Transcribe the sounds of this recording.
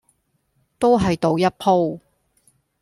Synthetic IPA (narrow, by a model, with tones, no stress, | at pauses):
t̪o˥wɦɐ˨jt̪o˨˧wjɐ˥t̚pʰo˥w